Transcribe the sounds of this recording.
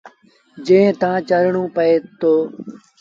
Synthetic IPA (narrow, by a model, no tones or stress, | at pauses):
d͡ʒẽːt̪ãːt͡ʃəɾɳõːpəeːt̪oː